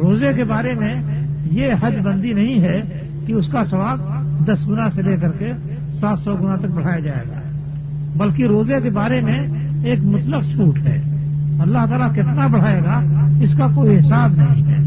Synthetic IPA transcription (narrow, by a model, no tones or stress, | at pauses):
ɾoːzekebaːɾemẽjeɦəd͡ʒd̪bə̃nd̪inɐɦĩɦɛ | kiʊskasɐʋaːb̚d̪ɐsɡʊnãseleːkəɾke | saːt̪sɔɡʊnãt̪ək̚bɐɽ̤aːjad͡ʒaːḛːɡa̰ː | bəlkiɾoːzekebaːɾemẽeːkmʊt̪ləqʃʰuːʈɦɛ̰ːɐlːaɦt̪aːlakɪt̪nabəɽ̤aːeːɡaɪskakoːiɦɪsaːbnɐɦĩɦɛ̰ː